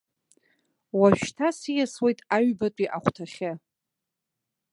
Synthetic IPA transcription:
waʃᶣtʰasijaswejtʼaɥbatʷʼiʔaχʷtʰaχʲɪ

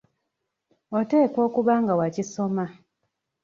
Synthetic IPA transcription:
o̞te̞ːko̞ːkuβaŋɡawaciso̞ma

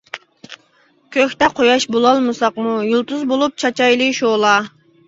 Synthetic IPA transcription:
kʲʰøxʲt̪ɛqʰojɑʃbolˠɑlˠmɨsɑqmujulˠt̪uzbolˠup̚t͡ʃʰɑt͡ʃɑjlˠɨʃoːlˠɑː

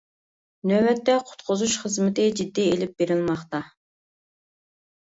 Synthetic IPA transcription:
nøbɛt̪ːɛqʰʊ̥t̪qʰʊzuʃχəzmɪt̪ʰɪd͡ʒid̪ːielɪp̚beɾɪlˠmɑχt̪ɑ

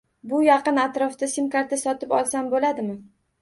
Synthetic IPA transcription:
bʊjɑqɨnat̪ɾɒfd̪asɪmkaɾt̪asɒt̪ɪpɒlˠsambolad̪ɪmɪ

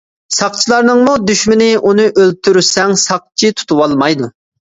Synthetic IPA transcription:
sɑqt͡ʃʰilˠɑɾnɨŋmud̪yʃmɪnɪʔunɨʔøl̚t̪ʰyɾysɛŋsɑq̚t͡ʃʰit̪ʰu̥t̪ʰuwɑlˠmɑjd̪u

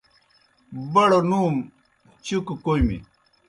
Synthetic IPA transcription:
bɐɽonum | t͡ɕukukojmḭ

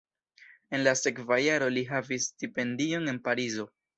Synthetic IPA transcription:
e̞nlase̞kvajaɾo̞liɦavisːtipe̞ndio̞ne̞npaɾizo̞

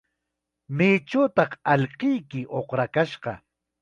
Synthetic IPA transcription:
mɪːt͡ʃawt̪ɑχɑʎqɪjkɪʔoχɾakaʃɢɑ̰

